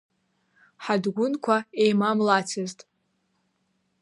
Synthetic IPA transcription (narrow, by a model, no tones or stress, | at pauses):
ħadɡʷʊnkʷʰaejmamlat͡sʰɨztʼ